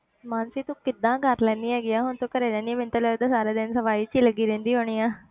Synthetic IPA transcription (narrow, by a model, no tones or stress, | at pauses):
maːnsiːt̪ũːkɪd̪ãːkəɾlɛːnd̪iːɛːɡɪaːɦʊnt̪õːkəɾeːlɛːniːmɪ̃nt̪alɛːd̪asaːɾaːd̪ɪnsəʋaːiːt͡ʃiːləɡiːɾẽːnd̪iːɦoːɽ̃iːãː